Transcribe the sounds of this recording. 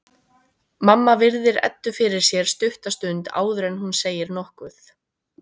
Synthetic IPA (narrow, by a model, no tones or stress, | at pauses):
mamːavɪɾðɪɾɛ̰t̪ːʏfɪɾɪɾ̥sjɛɾ̥st̪ʏht̪ast̪ʏnt̪a̰ːwðʏɾɛnhunseːjɪɾnɔhkvʏθ